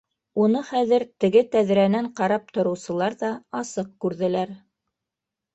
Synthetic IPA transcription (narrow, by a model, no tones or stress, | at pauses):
unɤχæðɘ̆ɾt̪ɘ̆ɡɘt̪æðɾænæɴqɑɾɑp̚t̪ŏɾɤ̆wsɤ̆lˠɑɾðɑɑsɤq̚kʉɾðɘ̆læɾ